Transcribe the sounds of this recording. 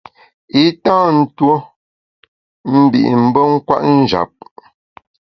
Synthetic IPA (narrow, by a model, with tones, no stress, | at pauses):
i˦tãː˦n̩˦two˦ | m̩˦bḭ˨ʔm̩˦bə˦ŋ̩˦kwa̰˦ʔn̩˦d͡ʒa̰˨p̚